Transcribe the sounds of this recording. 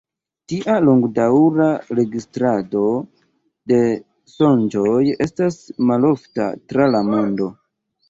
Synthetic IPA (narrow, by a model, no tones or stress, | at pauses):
tiʔalo̞ŋɡdawɾaɾe̞ɡistɾado̞ | de̞ | so̞nd͡ʒoje̞̰stasmalo̞fta̰tɾalamo̞ndo̞